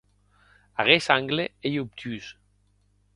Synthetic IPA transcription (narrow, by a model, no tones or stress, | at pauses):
aɣesaŋɡleejup̚t̪ʰys